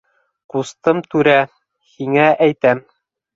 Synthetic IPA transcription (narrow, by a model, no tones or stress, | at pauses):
qust̪ɤmt̪ʉɾæ | hiŋæʔæjt̪æm